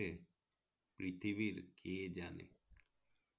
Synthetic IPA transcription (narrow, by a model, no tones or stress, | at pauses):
e | pɾit̪ʰibiɾkʰed͡ʒanḛ